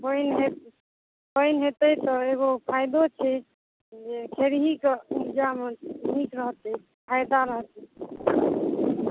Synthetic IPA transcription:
bəjnɦe | bəjnɦet̪ɛt̪ɔeɡopʰajd̪ot͡ʃʰɛ | d͡ʒekʰeɾɦikeud͡ʒamenikɾəɦt̪ɛ | pʰajd̪aɾəɦt̪ɛ

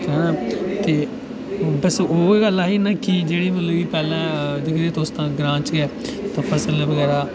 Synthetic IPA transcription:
kːnaːt̪eː | bəsoːɡəlaːɦiːnakid͡ʒeːɽiːmət̪ləʋiːpɛːlɛ̃ːd͡ʒɪkd̪eːt̪oːst̪ãːɡɾãːt͡ʃɡɛːt̪ãːpʰəsəlɛ̃ːʋəɡɛːɾaː

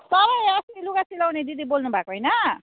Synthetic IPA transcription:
t̪ʌbʌjʌsiiluɡasilawned̪id̪ibolnubʱakoɦjnʌ

